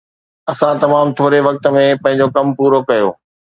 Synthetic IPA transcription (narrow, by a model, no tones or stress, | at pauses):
ɐsãt̪ɐmaːmt̪ʰoːɾeʋɐk̚t̪ə̆mẽpɐ̃ɦɪ̃ɲd͡ʑokɐmpuːɾokɐjo̰ː